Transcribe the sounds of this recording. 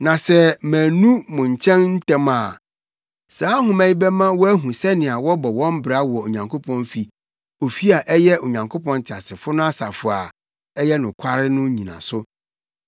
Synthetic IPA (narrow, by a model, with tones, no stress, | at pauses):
nã˨sɛ˦mæ̃˨nũ˦mʊ̃˨ɲ˨t͡ɕʰɛ̃˦nn̩˦tɛ̃˦ma˨ | saː˨˦ɦʊ̃˦mɛ̃˦ĩ˦bɛ˦mã˦wɔ˦æ˦ɦũ˨sɛ˦nɪ̃˨a˨wɔ˦bɔ˨wɔ̃˦m˦bɾa˦wɔ˨o˨ɲã˨ŋkʰo˦pʰɔ̃˦nfi˨ | o˨fi˦a˨ʔɛ˦jɛ˦ʔo˨ɲã˨ŋkʰo˦pʰɔ̃˦n˦tʰɪ˨a˨sɪ˨fʊ˦nʊ̃˦a˦sa˨fʊ˨a˨ | ɛ˦jɛ˦nʊ̃˨kʰa˦ɾɪ˦nʊ̃˦ɲĩ˨nã̰˨sʊ˦